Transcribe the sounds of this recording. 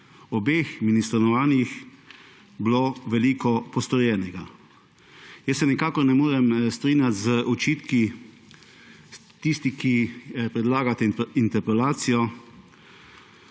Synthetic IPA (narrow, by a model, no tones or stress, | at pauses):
ɔbeːxminist̪ɾɔnɔʋaːnix | bloʋɛliːkɔpɔst̪ɔɾjɛːnɛɡa | jəsːɛnɛkaːkɔɾnɛmoːɾɛmst̪ɾinjat̪zəʔɔt͡ʃiːt̪ki | t̪ist̪ikipɾɛd̪laːɡat̪ɛint̪ɛɾpɛlaːt̪sijɔ